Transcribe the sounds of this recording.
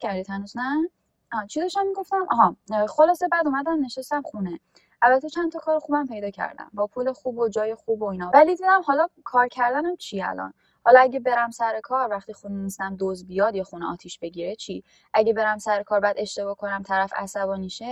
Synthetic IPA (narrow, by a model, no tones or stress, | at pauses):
æɾd̪it̪hænuznæ | ɒːt͡ʃʰid̪ɒʃt̪æmːiɡo̞ft̪æmʔɒɦɒχolɒːse̞bæːd̪umæd̪æmne̞ʃest̪æmχune | ʔælbæt̪ʰːet͡ʃʰænt̪ʰɒkʰɒːɾoxuːbæmpʰe̞jd̪ɒːcʰæ̰ɾd̪æ̰mbɒːpʰule̞xuːbod͡ʒɒːjexuːboiːnɒvælid̪iːd̪æmhɒːlɒkʰɒːɾcʰæɾd̪ænæmt͡ʃʰiæ̰lɒ̰n | hɒlɒæɟe̞be̞ɾæmsæɾe̞kʰɒːɾvæχt̪ixunnenist̪æmd̪ozbijɒːd̪jexuneɒ̰ːt̪ʰiʃb̥e̞ɟiːɾe̞t͡ʃʰi | ʔæɟe̞be̞ɾæmsæɾekʰɒːɾbæd̪e̞ʃt̪e̞bɒːkʰo̞næmt̪ʰæɾæfæ̰sæbɒːniʃe